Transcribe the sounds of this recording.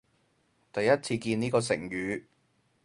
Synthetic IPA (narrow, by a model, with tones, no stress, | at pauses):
t̪ɐ˨jːɐ˦˥t̚t͡sʰiː˧kiː˧niː˥kɔː˧s̬ɪ˨˩ŋjyː˨˧